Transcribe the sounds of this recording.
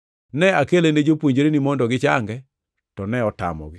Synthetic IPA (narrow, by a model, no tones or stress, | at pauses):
nɛakelened͡ʒopwoɲd͡ʒɾenimɔndɔɡɪt͡ʃaŋɡɛ | tɔnɛɔta̰mɔ̰ɡɪ